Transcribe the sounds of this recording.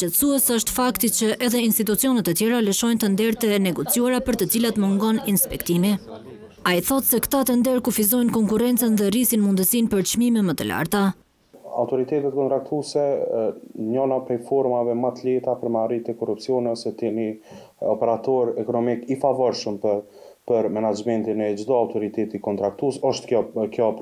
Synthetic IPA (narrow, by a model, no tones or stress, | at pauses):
t͡ʃɛt̪suɛsəʃt̪fakt̪it͡ɕəʔɛðɛinst̪it̪̬ut͡siɔnɛt̪ːət̪jɛɾaləʃɔjnt̪ənd̪ɛɾt̪ɛnɛɡɔt͡sijuaɾapəɾt̪ət͡silat̪mɔŋɡɔninspɛkt̪imi | aiθɔt̪sɛkt̪at̪ənd̪ɛɾkufizɔjnkɔŋkuɾɛnt͡sɛnðɛrisinmund̪əsinpəɾt͡ʃmimɛmət̪əla̰ɾt̪a | a̰wt̪ɔɾit̪ɛt̪ɛt̪̚kɔnt̪ɾak̚t̪usɛ | ɲɔnapɾɛjfɔɾmavɛmat̪lɛt̪apəɾmarit̪ɛkɔrup̚t͡siɔnɛsɛt̪ɛni | ɔpɛɾat̪ɔɾɛkɔnɔmikifavɔɾʃəmp | pəɾmɛnad͡ʒmɛnt̪inɛd͡ʒd̪ɔawt̪ɔɾit̪ɛt̪ikɔnt̪ɾak̚t̪usɔʃt̪ɔkjɔ